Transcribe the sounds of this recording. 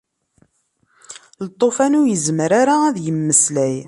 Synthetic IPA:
lət̪ˤːofænʊjəzməɾaɾaæðjəmːəslæj

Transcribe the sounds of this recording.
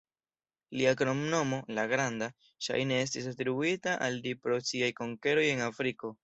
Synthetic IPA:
liakɾo̞mno̞mo̞laɡɾanda | ʃa̰jne̞e̞s̬tis̬atɾibuitaʔaldipɾosiajko̞ŋke̞ɾo̞je̞ŋafɾiko̞

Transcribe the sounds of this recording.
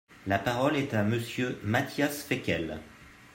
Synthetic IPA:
lapaʁɔlɛt̪aməsjømat̪jasfɛkʲɛl

